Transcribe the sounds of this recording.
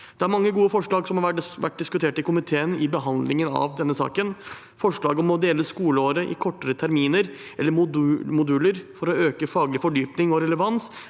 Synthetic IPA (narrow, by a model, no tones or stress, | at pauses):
d̪̥ɛæɾmɑŋːəɡuːəfɔʂɭɑːɡsɔmhɑʋæ̰ʈ̚ːd̪ɪskʉt̪ʰeːʈɪkʊmɪt̪ʰeːənɪbəɦɑnd̪lɪŋənɑ̰ʋd̪ɛnːəsɑ̰ːkən | fɔʂɭɑːɡɔmɔd̪eːləskuːləoːɾəʔɪ̰kʰɔʈːəɾət̪ʰæɾmiːnəɾ | ʔɛ̰lːəɾmʊd̪ʉːləɾfɔɾɔøːkəfɑːɡlɪfɔɖyːpnɪŋɔɾɛləʋɑns